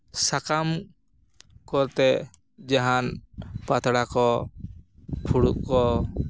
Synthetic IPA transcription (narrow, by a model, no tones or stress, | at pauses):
sakam | kɔɾt̪ɛ | d͡ʒaɦanpat̪ʰɽakɔ | pʰuɽuʔkɔ